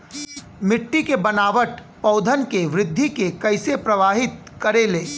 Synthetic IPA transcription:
mɪʈːikebɐnaːʋəʈ | pɐʊd̪ʱənkeʋɾɪd̪ʱːikekɐɪsepɾɐʋaːɦɪt̪ | kɐɾeleː

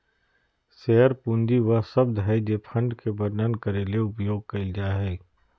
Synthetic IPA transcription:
sɛːɦəɾpũːnd̪iʋɐɦsɐbd̪ɦɛd͡ʒepʰɐ̃ɳɖkebɐɾnənkɐɾeːleʊpjoːɡ̚kɐɪld͡ʒaɦɛː

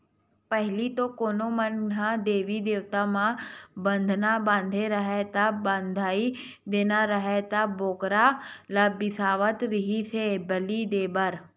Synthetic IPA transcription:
pəɦɪlit̪okoːnomənɡãd̪eːʋid̪eːʋt̪amãbə̃nd̪ʱnabãːnd̪ʱeɾəɦet̪abãːnd̪ʱaːi | d̪eːnaɾəɦet̪aboːkɾalabɪsaːʋət̪ɾɪɦisebəlid̪eːbəɾ

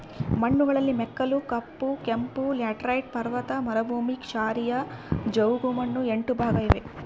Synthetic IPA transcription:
mɐɳːuɡɐɭɐlːimɛkːɐlukɐpːukempulaːʈɾɐjʈ̚pɐɾʋɐt̪ɐmɐɾɐbʱuːmikʃaːɾijɐd͡ʒɐwɡumɐnːueɳʈubʱaːɡɐjiʋe

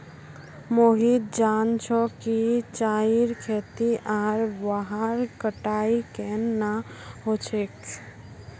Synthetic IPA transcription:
moɦid̪̚d͡ʒant͡ʃʰɔkit͡ʃaiɾkʰeːt̪iʔaːɾbaɦaɾkəʈaikenːaɦot͡ʃʰek

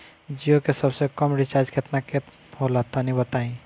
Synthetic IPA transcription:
d͡ʒiokesəbsekəmɾit͡ʃaɾd͡ʒket̪naket̪ | holat̪anĩbət̪aĩ

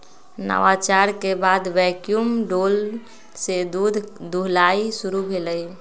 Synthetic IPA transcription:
nə̰wat͡ʃaɾkebad̪ʋɛkjumɖol | sed̪ud̪ʱd̪uɦlaisuɾubʱeləj

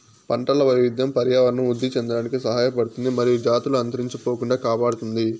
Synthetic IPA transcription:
pɐɳʈɐlɐʋɐjʋid̪jɐmpɐɾjaːʋɐɾɐɳɐmud̪ʱːit͡ʃɛnd̪ɐɽaːnikisɐɦaːjɐpɐɽut̪und̪imɐɾijud͡ʒaːt̪uluɐnt̪ɐɾiɲt͡ʃipo̞ːkuɳɖaːkaːpaːɽut̪und̪i

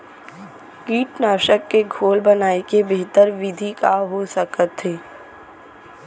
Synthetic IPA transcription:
kiːʈnaːʃəkːeɡʱoːlbənaːekebeɦt̪əɾʋɪd̪ʱikaːɦosɐkət̪ɦeː

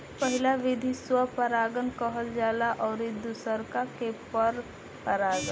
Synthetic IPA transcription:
pəɦɪlaʋɪd̪ʱiswapəɾaːɡənkəɦəld͡ʒaːlaʔɔːɾid̪usəɾkakepəɾ | pəɾaːɡən

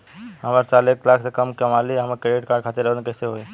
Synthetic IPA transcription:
ɦəməɾt͡ʃaːleːklaːkʰsekəmkəmaːliɦəmakeɖeʈ̚kaːɖkʰaːt̪eɾəʋənkɛːseɦoe

